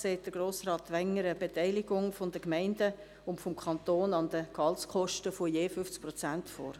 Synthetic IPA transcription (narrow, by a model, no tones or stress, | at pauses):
seːt̚d̥əɾɡ̥ɾoːsrɑːt̪ʋɛŋəɾəb̥etɛɪlɪɡʊŋfondəkmɛɪndə | ʊntfomkʰɑnt̪oːnɑndəkɑlt͡skʰɔʃtəfojeːfʏft͡sk̚pɾɔt͡sæntfo̰ːɾ